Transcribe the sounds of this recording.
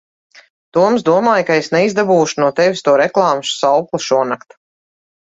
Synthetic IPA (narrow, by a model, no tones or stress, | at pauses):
t̪uɔmzd̪uɔmaːjkaesnɛizd̪abuːʃunuɔt̪ɛvʲist̪uɔɾɛklˠɑːmʃsawklˠuʃuɔnakt̪u̥